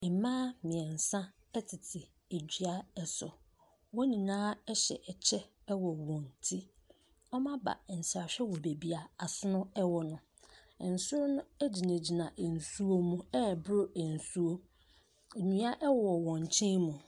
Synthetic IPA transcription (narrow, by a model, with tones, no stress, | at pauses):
e˨mãː˦mɪ̃˨ɛ̃˨n̩˨sã˦ | ɛ˦tʰɪ˨tʰɪ˨ | e˨d͡ʑᶣi˨˦a˦ɛ˨sɔ̰˨ | wɔ˦nĩ˨nãː˦ɛ˦ɕɛ̰˨ʔɛ˨t͡ɕʰɛ˦ | wɔ˨wɔ̃˨n˨tʰi˦ | ɔ˦mã˦ba̰˨n̩˨sa˨ɕᶣɛ˦wɔ˨be˨bi˦a˨a˨sʊ˦nʊ̃˦ɛ˦wɔ˨nʊ̃˦˨ | n̩˨sʊ˦ɾʊ˦nʊ̃˦æ˦d͡ʑi˨nẽ˨d͡ʑi˨nã˨ʔn̩˨su˦o˦mũ˨ɛ˦˨bɾʊ˦e˨n̩˨su˦o˦ | e˨nĩ˨˦a˦ʔɛ˦wɔ˨wɔ̃˨n˨t͡ɕʰɪ̃˦mũ˨